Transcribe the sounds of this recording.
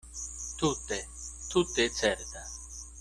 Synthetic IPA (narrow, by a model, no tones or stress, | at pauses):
t̪ʰut̪et̪ʰut̪et͡sʰɛɾd̪a